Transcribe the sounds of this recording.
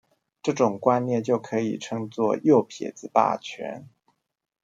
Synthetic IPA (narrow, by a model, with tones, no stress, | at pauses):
ʈ͡ʂɤ˥˩ʈ͡ʂʊ˨˩ŋkwa˥nnjɛ˥˧nt͡ɕjo˥˩ʊkʰɤ˧˥ḭ˨˩ʈ͡ʂʰɤ˥ŋt͡swɔ˥˧jo˥˩ʊpʰjɛ̰˨˩t͡sɹ̩˧˥pa̰˥˩t͡ɕʰɥɛ̰˧˥n